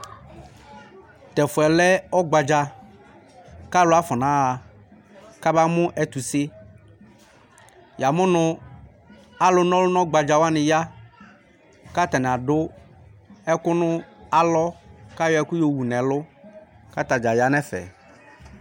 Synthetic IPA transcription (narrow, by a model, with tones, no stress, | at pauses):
t̪ɛ˨fʊ˨ɛ˨lɛ˦ɔ˦ɡ͡ba˨d͡ʒa˨ | ka˦lʊ˦a˦fɔ˨nã˦a˨ | ka˦ba˦mʊ̃˦ʔɛ˦t̪u˨sɪ˦ | ja˨mʊ̃˦nʊ̃˨ | a˦lʊ˦nɔ̃˦lʊ˦nɔ̃˦ɡ͡ba˨d͡ʒa˨wa˦nɪ̃˨ja˦ | ka˦t̪ɛ˨nɛ˨a˨ɖʊ˦ | ɛ˦kʊ˦nʊ̃˦a˨lɔ˦ka˦jɔ˦ɛ˦kʊ˦jo˦wu˨nɛ̃˨lʊ˦ | ka˦t̪a˨d͡ʒa˨ja˨nɛ̃˦fɛ̰˨